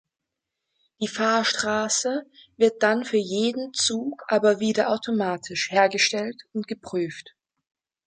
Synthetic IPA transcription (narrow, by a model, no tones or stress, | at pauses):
d̥iːfaːɐʃtʁ̥aːsəvɪɐt̚d̥anfyːɐjeːdn̩t͡suːkʔaːbɐviːdɐʔaʊtʰomaːtʰɪʃheːɐɡəʃtɛltʊntɡ̥əpʁ̥yːft